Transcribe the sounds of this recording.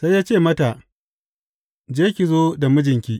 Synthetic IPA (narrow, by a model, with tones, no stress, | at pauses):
sa˦jjaː˦t͡ʃeː˦˨mɐ˦ta˨ʔ | d͡ʒeː˦kʲi˨zoː˦da˨mʊ˦d͡ʒɪ˨ŋkʲiː˦ʔ